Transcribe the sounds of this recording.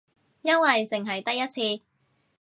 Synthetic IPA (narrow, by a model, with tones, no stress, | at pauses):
jɐ˥nwɐ˨jt͡sɪ˨ŋɦɐ˨jt̪ɐ˥jɐ˥t̚t͡sʰiː˧